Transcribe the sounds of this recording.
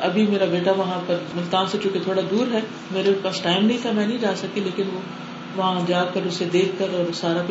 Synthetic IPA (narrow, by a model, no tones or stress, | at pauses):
ɐbʱimeːɾabeːʈaʋɐɦãpɐɾmʊlt̪aːnset͡ʃũːket̪ʰoːɽad̪uːɾɦɛː | meːɾepɐsʈaːɪmnɐɦĩt̪ʰamɛ̃nɐɦĩd͡ʒaːsɐkileːkɪnʋoː | ʋɐɦãd͡ʒaːɡkɐɾʊsed̪eːkʰːɐɾɔːɾsaːɾak